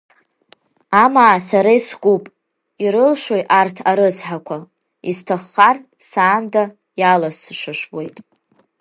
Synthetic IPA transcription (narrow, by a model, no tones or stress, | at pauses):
amaːsaɾaisɡʷupʼ | iɾɨlʂʷojʔartʰaɾɨt͡sʰħakʷʰa | istʰaχːarsaːnda | jalasɨʂʷɨʂwe̞jtʼ